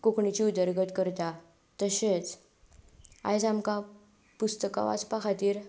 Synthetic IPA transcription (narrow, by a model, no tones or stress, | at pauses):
kokɳit͡ɕiud̪əɾɡət̪kəɾt̪a | t̪əɕet͡s | a̰jd͡zamka | pust̪əka̰ʋa̰t͡spakʰat̪iːɾ